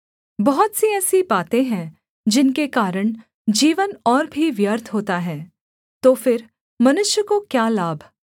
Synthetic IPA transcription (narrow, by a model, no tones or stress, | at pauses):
bɔɦʊt̪siɛːsibaːt̪ẽɦɛ̃ | d͡ʒɪnkekaːɾəɳ̃ | d͡ʒiːʋənɔːɾbʱiʋjəɾt̪ʰɦoːt̪aɦɛː | t̪oːfɪɾ | mɐnʊʃjəkokjaːlaːbʱ